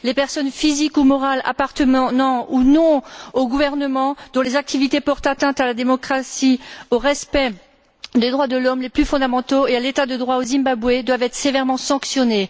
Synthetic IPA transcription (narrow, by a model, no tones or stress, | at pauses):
lepɛʁsɔnfizikumɔʁala̰paʁt̪əmnɑ̃unɔ̃oɡuvɛʁnəmɑ̃d̪̥ɔ̃lezak̚t̪ivit̪epɔʁt̪at̪ɛ̃t̪alad̪emɔkχasioʁɛspɛ | d̪ed̪ʁwad̪əlɔmleplyfɔ̃d̪amɑ̃t̪oealet̪ad̪əd̪ʁwaozĩmbabwed̪wavɛt̪χsevɛʁmɑ̃sɑ̃ksjɔne